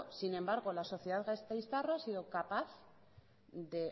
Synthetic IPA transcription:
sinẽ̞mbaɾɣo̞laso̞θjeðaðɣast̪ajst̪aroasiðo̞kapaθ | ðe̞

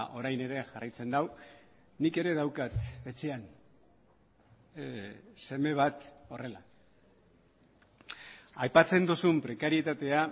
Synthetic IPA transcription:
ʔo̞ɾajne̞ɾe̞ʝarajt͡se̞nd̪aw | nike̞ɾe̞ðawkat̪e̞t͡se̞an | se̞me̞β̞at̪o̞re̞la | ajpat͡se̞nd̪usumpɾe̞kaɾie̞t̪at̪e̞a

